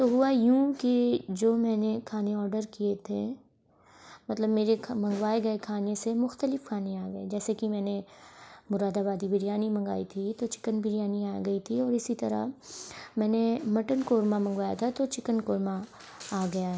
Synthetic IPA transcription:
t̪oɦʊajũːked͡ʒoːmɛ̃ːnekʰaːneɔːɾɖəɾkiet̪ʰe | mɐt̪ləbmeːɾemɐ̃ŋɡʋaːeɡɐekʰaːnesemʊxt̪əlɪfkʰaːneaːɡɐed͡ʒɛːsekimɛ̃ːne | mʊɾaːd̪abaːd̪ibɪɾijaːnimɐ̃ŋɡa̰ːit̪ʰit̪ot͡ʃɪ̥kənbɪɾijaːniaːɡɐit̪ʰiɔːɾɪsit̪ɐɾa̰ | mɛ̃ːnemɐʈənkoːɾmamɐ̃ŋɡʋaːja̰t̪ʰat̪ot͡ʃɪkənkoːɾma | aːɡɐjaɦɛ

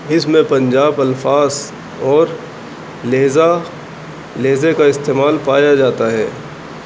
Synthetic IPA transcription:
ɪsmẽpɐ̃nd͡ʒaːbɐlfaːz | ɔːɾ | leːza | leːzekaɪst̪eːmaːlpaːjad͡ʒaːt̪aɦɛ̰ː

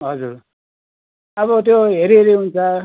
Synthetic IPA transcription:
ɦʌd͡zuɾ | ʌβʌt̪̬joɦeɾiɦeɾiɦunt͡sʰʌ

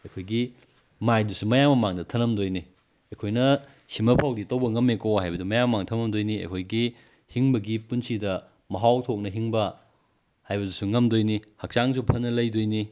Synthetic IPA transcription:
ɐjkʰojɡi | majdusumɐjamɐmaŋdɐtʰɐnɐmdojni | ɐjkʰojnɐ | simɐpʰawditɐwbɐŋɐmekohajbɐdumɐjamɐmaŋtʰɐmɐmdojniɐ̰jkʰojɡi | hiŋbɐɡipunsidɐ | mɐɦawtʰok̚nɐɦiŋbɐ | hajbɐdusuŋɐmdojnihɐk̚t͡ʃaŋsupʰɐnɐlɐjdojni

